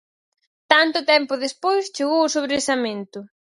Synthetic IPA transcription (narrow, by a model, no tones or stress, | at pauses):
t̪ant̪ʊt̪ɛmpʊðespojst͡ʃeɣowʊsoβɾesamẽnt̪ʊ